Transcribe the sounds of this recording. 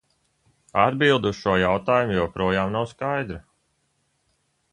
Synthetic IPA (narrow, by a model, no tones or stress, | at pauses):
ad̪bilˠd̪ːsʃuɔjawt̪aːjumujɔːpɾuɔjaːmnawskajd̪ɾi